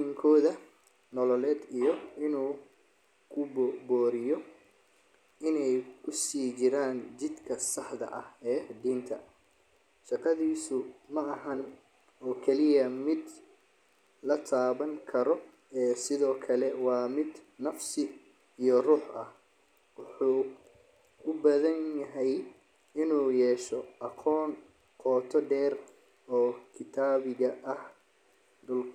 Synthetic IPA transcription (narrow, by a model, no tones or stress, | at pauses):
ɪŋkʰɔːðɐ | nɔlɔlɛːd̪ijɔɪnuː | kʰʊbbɔːɾɪjɔ | ɪnɛjkʰʊsiːt͡ʃɪɾaːnt͡ʃɪd̪kʰɐsɑħðɐ̰ʔɐhɛːd̪iːnt̪ʰɐ̰ | ʃɑqɑðiːsʊmɐɐhɐn | ɔːkʰɛlɪjɐmɪd̪ | lɐt̪ʰaːβɐŋkʰɐɾɔ | ɛːsɪðɔːkʰɐlɛwɑːmɪd̪nɐfsɪ | ijɔruːħɐh | wʊħuː | ʊbɐðɐnjɐɦɛj | ɪnuːjɛːʃɔʔɐqʰɔːn | qʰɔːt̪ʰɔɖɛːr | ɔːkʰɪt̪ʰaːβɪɣɐʔɐh | d̪ʊl